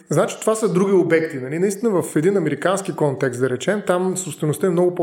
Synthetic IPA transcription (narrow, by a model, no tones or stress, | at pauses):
znat͡ʃi̥t̪ovasəd̪ɾuɡ̟ʲiobɛkt̪inɐlinɐist̪inəvɐfɛd̪inɐmɛɾikansk̟ikɔnt̪ɛkst̪d̪ɐɾɛt͡ʃɛmt̪amsopst̪vɛnʊst̪əɛmnɔɡʊp